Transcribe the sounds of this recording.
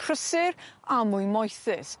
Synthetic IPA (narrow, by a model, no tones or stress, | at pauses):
kʰrəsɪramʊjmɔjθɪs